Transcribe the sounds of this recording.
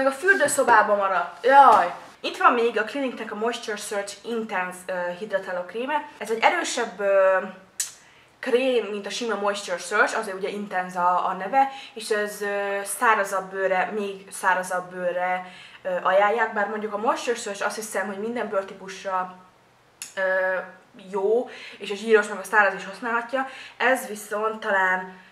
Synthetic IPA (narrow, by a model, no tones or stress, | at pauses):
mɛɡɒfyld̪øːso̞baːbɒmɒɾɒt̪ːjoj | it̪ʋɒmːeːɡɒkliniknɛkɒmojst͡ʃørsøːrt͡ʃint̪ɛnzøɦid̪ɾɛt̪ɛlokriːmɛɛzɛɟːɛɾøːʃɛbːø | kreːmːint̪ɒʃimɔmojst͡ʃørsøːrt͡ʃɒzeːɾuɟɛʔint̪ɛnzɒːnɛvɛeːʃɛzøst̪aːɾɒzɒbːøːɾɛmeːɡ | saːɾɒzɒbːøːrːɛøːʔɒjaːjːaːɡ̚baːrmo̞ɲɟukɒmojʃt͡ʃørsørʃɒst̪hisɛmɦo̞ɟmind̪ɛmbørt̪ipuʃrɒ | øː | joːeːʃɒʒiːɾo̞ʃnɡɒst̪aːɾɒziʃhosnaːlɦɒcːɒɛzʋiso̞nt̪ːɒlaːn